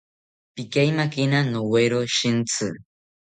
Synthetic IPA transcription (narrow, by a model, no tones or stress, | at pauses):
pɪkajmakɪnanoweɾoʃɪnt͡sɨ